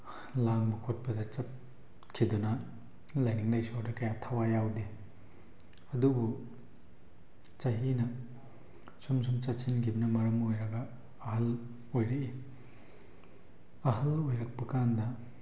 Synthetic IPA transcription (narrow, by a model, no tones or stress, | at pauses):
laŋbɐkʰot̚pɐdɐt͡ʃɐt̚ | kʰidunɐ | lajniŋlɐjsiawdɐkɐjatʰawajawde | ɐdubu | t͡ʃɐɦinɐ | sumsumt͡ʃɐt̚sinkʰibɐnɐmɐɾɐmojɾɐɡɐː | ɦɐl | ojɾɐi | ɐɦɐlojɾɐk̚pɐkandɐ